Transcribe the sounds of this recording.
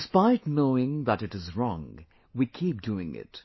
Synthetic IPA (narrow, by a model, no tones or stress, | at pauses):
spaɪdⁿnoʊɪ̃ŋðəɾɨɾɨzɹɔ̰̃ŋ | wikʰip̚d̥uɪ̃ŋɪ̰t